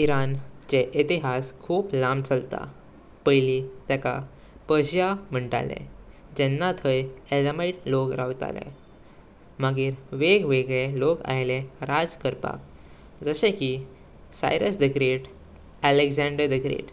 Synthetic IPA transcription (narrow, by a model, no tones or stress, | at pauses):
iɾant͡ɕeʔit̪iɦaskʰuːplamt͡səlt̪a̰ | pəjlit̪jaka̰ | pəɕjam̤əɳʈa̰lḛ̃ | d͡ʑɛnːat̪ʰəjeləmaiʈlokɾaʋt̪a̰lḛ̃ | maɡiːɾʋeɡʋeɡɭeloka̰jleɾad͡zkəɾpa̰k̚ | d͡zəɕẽki | sa̰jɾəsdikɾeʈ | æleɡzãɳɖəɾdikɾḛʈ